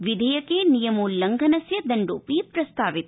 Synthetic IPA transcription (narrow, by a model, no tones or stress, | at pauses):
ʋid̪ʱɐjɐkeːnijɐmoːlɐŋɡʱɐnɐsjɐd̪ɐɳɖoːpiːpɾɐst̪aːʋit̪̚